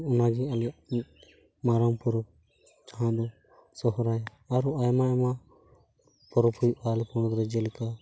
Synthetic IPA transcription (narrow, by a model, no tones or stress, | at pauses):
unaɡialɛa | maɾampɔɾ | d͡ʒaɦãd̪ɔ | sɔɦɾajaː | ɾɔajmaɛma | pɔɾɔpʰujalpɔɽ̃ɔɾɛd͡ʒɛlɛka